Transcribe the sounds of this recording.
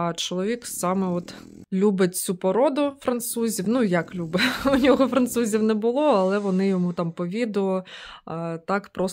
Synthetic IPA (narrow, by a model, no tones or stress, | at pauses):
t͡ʃɔlˠɔʋʲiksɑmɛɔt̪ | lʲubɪt̚ʲt͡sʲupɔɾɔd̪ʊfɾɐnt̪suzʲiwnujɐklʲubɪʊnʲɔɦɔfɾɐnt̪suzʲiwnɛbʊlˠɔɐlˠɛʋɔnɪjɔmut̪ɑmpɔʋʲid̪ʊ | t̪ɑkpɾɔs